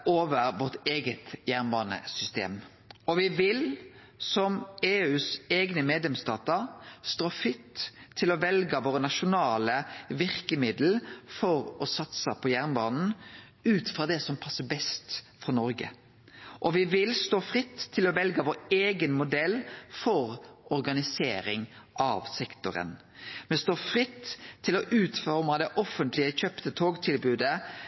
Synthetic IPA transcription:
ʔoːʋəɾʋɔʁt̪eːɡət̪jæʁnbɑːnə̰sʏst̪ḛːm | ɔʋɪʋɪl | sɔmeːʉːseːɡnəmeːd̪lɛmst̪ɑːt̪əɾst̪oːfɾɪt̪ʰːɪlɔʋɛlɡəʋoːɾənɑʃʊnɑːləʋɪʁkəmɪd̪l̩fɔɾɔsɑt̪səpʰɔjæʁnbɑːnn̩ | ʉːt̪fɾɑːd̪ɛsɔmpʰɑsːəbɛst̪ | fɔnɔɾɡə̰ | ʔɔʋɪʋɪlst̪oːfʁɪt̪ʰːɪlɔʋɛlɡəʋoːɾeːɡənmʊd̪ɛlfɔɾɔɾɡɑnɪsḛːɾɪŋʔɑ̰ʋsɛkt̪ʊɾə̰n | mɛnst̪oːfɾɪt̪ʰːɪlɔʔʉːt̪fɔɾmɑd̪ɛʔɔfənt̪lɪəçœpt̪ət̪ʰoːɡt̪ʰɪlbʉːd̪ə

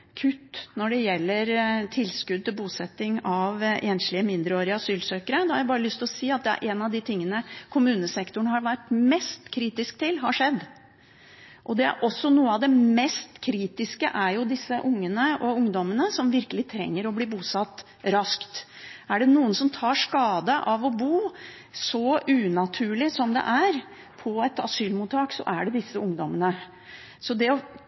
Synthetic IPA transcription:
kʰʉt̪ːnɔɖɛjɛlːəɾt̪ʰɪlskʉd̪̚t̪ɪlbuːsɛt̪ːɪŋɑʋʔeːnslɪəmɪnd̪ɾəoːɾɪəɑsyːlsøːkəɾəd̪ɑhɑɾjæbɑːɾəlʏst̪ʰɪlɔsiːɑt̪̚d̪ɛæ̰ɾʔɛːnɑʋd̪ɪt̪ʰɪŋːənəkʰʊmʉːnəsɛkt̪ʊɳəhɑɾʋæʈmɛst̪kʰɾiːt̪ɪskt̪ʰɪlɦɑɾʂɛd̪ː | ʔɔd̪ɛæ̰ɾʔɔsːɔnuːəɑʋd̪ɛmɛst̪kʰɾiːt̪ɪskə̰ʔæɾjʊd̪ɪsːəʔʊŋːənəɔʊŋd̪ɔmənəsɔmʋɪɾkəlɪt̪ʰɾɛ̰ŋːəɾɔbliːbuːsɑt̪ː | ɾɑskt̪ | æɖɛnuːənsɔmt̪ʰɑːʂkɑːd̪əʔɑʋɔbuː | sɔʔʉːnɑt̪ʰʉːɭɪsɔmd̪ɛ̰ʔæɾ | pʰɔɛt̪ɑ̰syːlmuːt̪ʰːɑːksɔ̰ʔæɖɛd̪ɪsːəʊŋd̪ɔmənə | sɔd̪ɛɔ

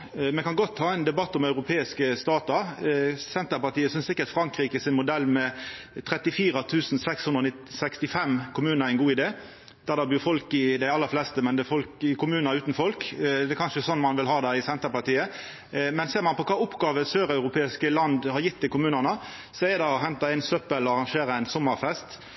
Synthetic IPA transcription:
mɛkɑnɡɔt̪ʰːhɑːɛɪnd̪ɛbɑt̪ːɔmɑʉɾʊpʰeːɪskəst̪ɑːt̪əɾsɛnt̪əpɑt̪iːəsʏnsɪkːəɾt̪fɾɑŋkɾiːkəsɪnmʊd̪ɛlːmɛ | t̪ʰɾɛt̪ːɪfiːɾət̪ʰʉːsn̩sɛkshʉnd̪ɾɔnɪt̪sɛkst̪ɪfɛmkʰʊmʉːnəɾæɪnɡuːɪd̪eː | d̪̥æɾd̪ɛbyːfɔlkɪd̪æɪɑlːəflɛːst̪əmɛnd̪ɛfɔlkɪkʰʊmʉːnəɾʉːt̪n̩fɔlkd̪ɛkʰɑnʃəsɔnːmɑnʋɪlɦɑːd̪ɛɪsɛnt̪əɾpɑt̪iːə | mɛnseːʁɾmɑnpɔkʰɑːʊpːɡɑːʋəsøːɾɑʉɾʊpʰeːɪskəlɑnd̪hɑɾjɪt̪̚ːd̪ɪkʊmʉːnənə | sɔæɛd̪ɑɔɦɛnt̪ɑæɪnsœpəlɔɑʁɑŋʃeːɾəæɪnsɔmːəɾfɛst̪

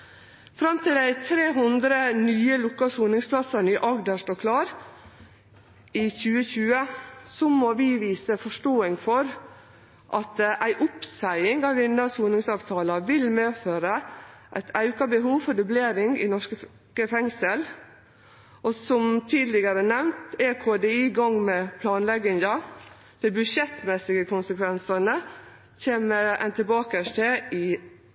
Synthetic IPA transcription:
fɾɑmt̪ʰɪld̪æɪt̪ʰɾeːɦʊnd̪ɾənyːəlʊkːɑsuːnɪŋspʰlɑsɑnɪʔɑɡd̪əʂtoːkʰlɑːɾ | ɪçʉːəçʉːəsɔmoʋɪʋiːsəfɔʂʈoːɪŋfɔɾ | ʔɑt̪ʔæɪʔʊpsæɪɪŋɑʋʋɪnːəsuːnɪŋsɑːʋt̪ʰɑːlɑʋɪlmeːføːɾəʔæ̰ɪt̪ʰæʉkɑbəɦuːʋfɔɖ̪ʉbleːɾɪŋɪnɔʂkə | kəfɛŋsəl | ʔɔsɔmt̪ʰiːd̪lɪɡəɾənɛʋnt̪ekʰoːd̪eiːɡɑŋmɛpʰlɑːnlɛɡɪnd̪ɑ | d̪̥ɪbʉʂɛt̪mɛsɪɡəkʰʊnsəkʰʋɛnsɑnə | çeːməæ̰nt̪ʰɪbɑːkəʂʈeɪ

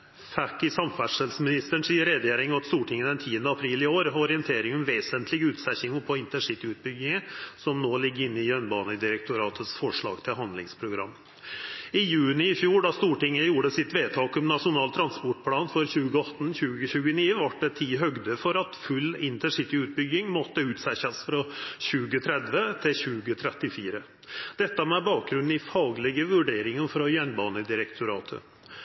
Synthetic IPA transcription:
fʰækːɪsɑmfæʂəlsmɪnɪst̪əɳ̩siːəɾɛd̪jeːɾɪŋɑt̪st̪uːʈʰɪŋːəd̪ɛnt̪ʰiːənd̪əɑpʰɾiːlɪoːɾɔɾɪənt̪ʰeːɾɪŋɔmʋeːsənt̪ʰlɪɡʉːt̪sɛçɪŋəpʰɔɪnt̪əʂɪt̪ɪʉt̪̚bʏɡɪŋəsɔmnoːlɪɡːəɪnːɪjœnbɑːnəd̪ɪɾək̚t̪ʰʊɾɑːt̪ʰət̪sfɔʂɭɑ̰ːɡt̪ʰɪlɦɑnd̪lɪ̰ŋspʰɾʊɡɾɑ̰mː | ɪjʉːnɪɪfjuːɖɑst̪uːʈɪŋːəjuːɖəsɪt̪ʋeːt̪ʰɑːkɔmnɑʂʊnɑːlt̪ʰɾɑnspɔʈ̚pʰlɑːnfɔɾçʉːɡəɑt̪ːnçʉːɡəçʉːɡəniːəʋɑʈ̚ɖɛt̪ʰiːɦœɡd̪əfɔɾɑt̪fʉlːɪnt̪əʂɪt̪ɪʉːt̪̚bʏɡɪŋmɔt̪ːəʉːt̪sæçəsfɾɑɕʉːɡət̪ʰɾɛd̪ʋət̪ʰɪlçʉːɡət̪ʰɾɛt̪ːɪfiːɾə | d̪̥ɛt̪ːəmɛbɑːk̚ɡɾʉn̩ɪfɑːɡlɪɡəʋʉɖeːɾɪŋənfɾɑjɛnbɑːnəd̪ɪɾɛkt̪ʰʊɾɑːt̪ʰə̰

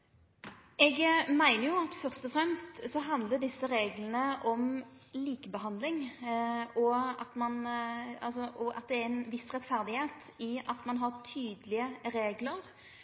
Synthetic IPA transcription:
ɛɡmæɪnəɾjʊɑt̪fœɾst̪ɔfɾɛmst̪sɔɦɑnd̪ləɖ̪ɪsːəɾeːɡlən̩əʔɔmliːkəbəɦɑnd̪lɪŋ | ɔɑt̪mɑnɑlsɔʔɔʔɑ̰t̪̚d̪ɛæænʋɪsɾɛt̪fæɾd̪ɪheːt̪ | ɪʔɑt̪mɑnɦɑɾt̪ʰyːd̪əlɪəɾeːɡləɾ

